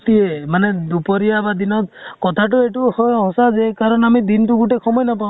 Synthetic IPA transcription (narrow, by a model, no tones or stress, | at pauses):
t̪iemaned̪upɔɾiabad̪inɔt̪kɔt̪ʰaʈueʈuhɔɦɔsad͡ʒekaɾɔnamid̪inʈuɡuʈekʰɔmɔjnɔpã